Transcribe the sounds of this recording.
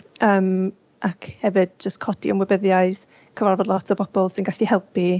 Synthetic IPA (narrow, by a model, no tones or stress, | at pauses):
əːm | ʔakhɛvɨd̚d͡ʒəstkʰɔd̥iə̰mwɛbəðjaɨð | kʰəvarvɔdˡlˠɔtʰəpʰɔb̥ɔlˠsɪnɡaɬihɛlˠpi